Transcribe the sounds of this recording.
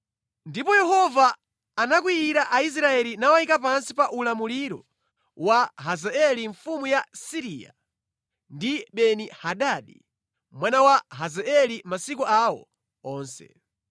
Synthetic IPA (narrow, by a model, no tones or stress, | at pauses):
ndipɔjɛhɔvaː | nak̬wiiɾaʔais̬ɾaɛlinawaikap̬ansipaʔulamuliɾɔ | waɦazaɛliɱfumujasiɾiːa̰ | ndiɓɛnihaɗaɗi | mwanawaɦazɛɛlimasikuawɔ̰ | ɔːnsɛ̰